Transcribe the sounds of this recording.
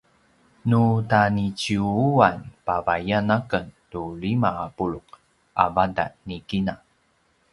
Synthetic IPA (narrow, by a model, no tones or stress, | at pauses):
nutanit͡ɕiuuanpavajanakəntulimaapuɭuq | ʔa̰vada̰nikina